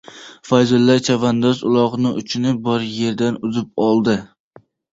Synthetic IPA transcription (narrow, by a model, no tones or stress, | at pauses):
fajzʊlːaɾt͡ʃʰavand̪ɒzʊlˠɒʁnɪʔʊt͡ʃʰɪnɪbɒɾje̞ɾd̪anʊzɪp̚ɒlˠd̪ɪ